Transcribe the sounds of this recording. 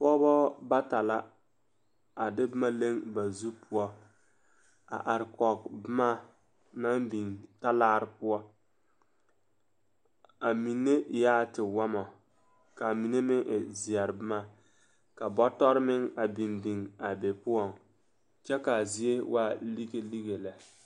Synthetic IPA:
pɔ˦bɔ˦ba˦ta˨la˦ | a˨dɪ˦bɪ˦ma˦le˦ŋba˨zu˦pʰʊ˦ɔ˦ | a̰˨ʔa˨ɾɪ˨kɔ˨kbɪ˦ma˦ | na˦mbi˨ŋta˦laː˦ɾɪ˦pʊ˦ɔ˦ | a˨mi˨nːe˦jaː˦tɪ˨wa˦mɔ˨ | ka˨mi˨ne˦mɪ˦ŋʔɪ˨zi˨a˨ɾbɪ˦ma˦ | ka˨bɔ˦tɔ˦ɾmɪ˦ŋa˨bi˨mbi˨ŋa˨be˨pʊ˦ɔ˦˨ŋ | t͡ʃɛ˦ka˨zi˦e˦wʔa˦li˦ɡe˦li˦ɡe˨la˨

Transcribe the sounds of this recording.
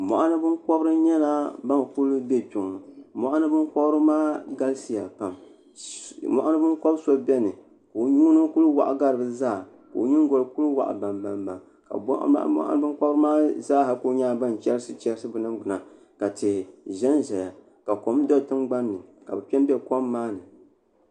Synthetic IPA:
mɔ̰˨ʔa˦nɨ˦bɨ˦nkɔ˦bɾɨ˦ɲɛ˦la˦ba˦nku˦lbɛ˦tu˨ŋ˨mɔ˦ʔa˦nɨ˦bɨ˦nkɔ˦bɾɨ˦maː˦ɡa˦lsi˨ja˨pa˨m | mɔ̰˦˨ʔa˦nɨ˦bɨ˦nkɔ˦bso˦bɛ˦nɨ˨ | ko˨ɲu˦nɨ˦ku˦lwa̰˨ʔa̰˨ɡa˦ɾɨ˨bɨ˦zaː˦˨ | ko̰˨˦ɲi˦ŋɡo˨lku˦lwa̰˨ʔa̰˨ba˨mba˨mba˨ŋ | ka̰˨b̰ʔʔbɨ˦kɔ˦ɾɨ˦maː˦zaː˦ha˨ko˦ɲaː˦ba˦n˨t͡ʃɛ˦ɾɨ˦sɨ˦t͡ʃɛ˦ɾɨ˦sɨ˦bɨ˨nɨ˦mɡ͡bʊ˨na˨ | ka˨tɨ˨ʒɛ˦nʒɛ˨ja˨ | ka˨ko˨˦m˦dɔ˦tɨ˦mɡ͡ba˦nːɨ˨ka̰˨bɨ˨pɛ˦n˦bɛ˦ko˦mːaː˦nɨ˨

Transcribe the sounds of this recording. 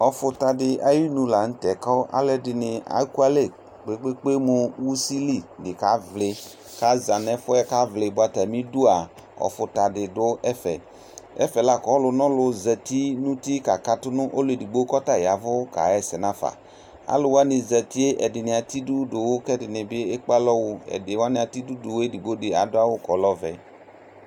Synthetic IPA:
ɔ˨fʊ˨t̪a˨dɪ˨ʔa˨ji˦nũ˨la˨ŋ̩˦tɛ˨kɔ˦ʔa̰˦lɛ˦dɪ˨nɪ˨a̰˨˦ku˦a˦le˦˨ | k͡pe˦k͡pe˦k͡pe˦mʊ˨wu˦si˦li˦˨dɪ˨ka˨˦vlɪ˨ | ka˨˦za˨nɛ˦fʊ˦ɛ˦ka˦vlɪ˨bʊ˦a˦ta˨mĩ˦du˦a˨ | ɔ̰˨fʊ˨ta˨dɪ˨dʊ˦ɛ˦fɛ̰˨ | ɛ̰˦fɛ˨la˦kɔ˨˦lʊ˨nɔ̃˦lʊ˨zɛ˨ti˦nũ˦ti˦ka˨ka˨tʊ˦nʊ̃˦ʔo˦lʊ˨e˨di˨ɡ͡bo˦kɔ˦ta˦˨ja˨vʊ˦ka̰˨ɛ˦sɛ˨nã˦fa̰˨ | a̰˦lʊ˨wa˦nɪ˨zɛ˨ti˦e˦ʔɛ˨dɪ˨nɪ̃˨a˨ti˦du˦dʊ˨wʊ˦kɛ˦dɪ˨nɪ̃˨bɪ˦e˦k͡pa˦lɔ˦wʊ˦ɛ̰˨dɪ˨wa˦nɪ̃˨a˨ti˦du˦dʊ˨we˦di˨ɡ͡bo˦dɪ˨a̰˨dʊ˦a˦wʊ˦kɔ˨˦lɔ˦vɛ̰˨

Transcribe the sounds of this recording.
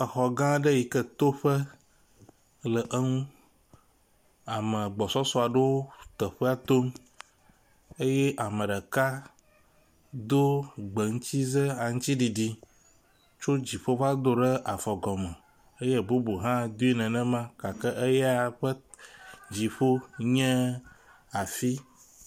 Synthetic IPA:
ə˨xɔ˨ɡã˦ɖə˦ji˨kə˦t̪o˦ɸə˦ | lə˨ʔə˦ŋũ˦ | a˨mə̃˨ɡ͡bɔ˨sɔ˦sɔ˦a˨ɖe˦wo˦t̪ə˨ɸə˦a˦t̪o˦m | e˦je˦ʔa˨mə̃˨ɖə˨ka˦ | d̪o˦ɡ͡bə˨ŋ̩˦t͡ɕi˦zə˦a˨ŋũ˦t͡ɕi˦ɖi˨ɖi˦ | t͡ʃo˦d͡ʑi˨ɸo˦va˦d̪o˦ɖə˦ʔa˨fɔ˨ɡɔ˨mə̃˨ | e˦je˦bo˦bo˨ɦã˦d̪u˦i˦nɛ̃˨nɛ̃˦mã˦ka˨kə˦ʔə˦jɛ˦a˨ɸə˦ | d͡ʑi˨ɸo˦ɲɛ̃˦ | a˨fi˦

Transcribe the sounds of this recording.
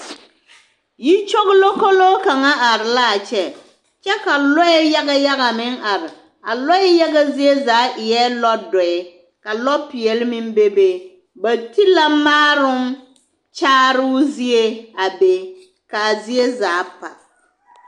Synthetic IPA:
ji˦t͡ʃo˦ɣlo˦ko˦lo˦ka˨ŋa˦ʔa˨ɾɪ˨la˦˨t͡ʃɛ˦ | t͡ʃɛ˦ka˨lɔ˦ɛ˦ja˦ɣa˦ja˦ɣa˨mɪ˦ŋa˨ɾɪ˨ | a̰˨lɔ˦ɛ˦ja˦ɣa˦zɪ˦e˦zaː˨˦ʔɪ˨jɛ˦lɔ˦dɔ˨ɛ˨ | ka˨lɔ˦pɪ˨ɛ˨lɪ˦mɪ˦m˦be˦be˦ | ba˨tʰi˦la˦maː˦ɾʊ˦m | t͡ʃaː˦ɾʊ˦zi˦e˦a˨be˨ | ka˨a˨zɪ˦e˦zaː˨˦pa˨

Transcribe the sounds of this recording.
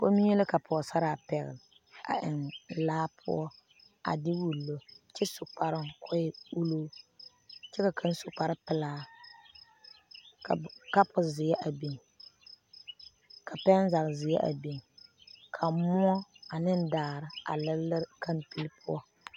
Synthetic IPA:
po˦mi˦ɛ˦lɨ˦ka˨pʰʊ˨ɔ˨sa˦ɾaː˨pɛ˨ɣɪ̰˨l | a̰˨ʔɪ˨nlaː˦pʰʊ̰˦ɔ˦ | a̰˨dɪ˦wu˨lːo˨t͡ʃɛ˦sʊ˨k͡pa˨ɾɪ˦ŋkʰɔ˦ju˦loː˦ | t͡ʃɛ˦ka˨kʰa˦n˦sʊ˨k͡pa˦ɾɪ˦pɪ˦laː˦ | ka˨ka˦pʊ˨zɪ˨jɛ˦ʔa˨bi˨ŋ | kʰa˨pɛ˦n˦za˨kzɪ˨jɛ̰˦ʔa̰˨bi˨ŋ | kʰa˨mʊ˦ɔ˦a˨nɪ˦n˦daː˨˦˨ɾɪ˨a̰˨lɪ˦lːɨ˦ɾka˦mpi˦lpʰʊ˦ɔ˦

